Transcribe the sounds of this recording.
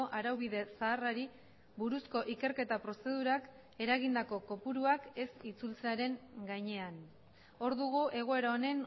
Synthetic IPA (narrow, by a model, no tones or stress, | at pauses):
oʔaɾawβiðe̞saːraɾi | βuɾusko̞ʔike̞ɾke̞t̪apɾo̞se̞ð̞uɾak | e̞ɾaɣind̪ako̞ko̞puɾuake̞sit͡sult͡seaɾe̞ŋɡajɲe̞an | o̞ɾðuɣ̞uʔe̞ɣ̞o̞e̞ɾaone̞n